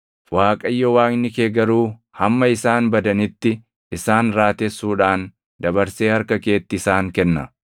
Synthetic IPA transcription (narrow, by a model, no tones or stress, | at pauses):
waːkʼɐjːɔwaːŋnːɪkeːɡɐɾuː | hɐmːɐɪsaːnbɐd̪ɐnɪt̪ːɪ | ʔɪsaːnɾaːt̪ɛsːuːᶑaːn | d̪ɐbɐɾseːhɐɾkɐke̞ːt̪ːɪɪsaːŋkɛnːɐ